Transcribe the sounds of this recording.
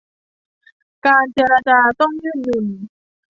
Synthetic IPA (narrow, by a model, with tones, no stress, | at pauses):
kaː˧nt͡ɕeː˧ɾa˧t͡ɕaː˧t̪ɔ˥˩ŋjɯː˥˩nːɯ˨˩m